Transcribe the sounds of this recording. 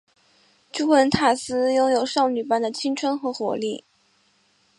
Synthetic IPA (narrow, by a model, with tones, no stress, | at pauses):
ʈ͡ʂu˥wə˧˥nt̪ʰa˨˩sɹ̩˥jʊ˥ŋjo˨˩ʊʂɑ˥˩ʊny˨˩pa˥nd̪ə˨t͡ɕʰi˥ŋʈ͡ʂʰwə˥nxɤ˧˥xwɔ̰˧˥li˥˩